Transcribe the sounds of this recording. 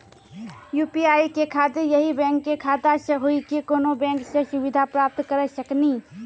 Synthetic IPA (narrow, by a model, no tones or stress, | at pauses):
jupiajkekʰad̪ejəɦibɛ̃ŋkːekʰad̪asə̃ɦoikekonobɛ̃ŋksə̃subid̪ʱapɾap̚t̪kəɾɛsəkni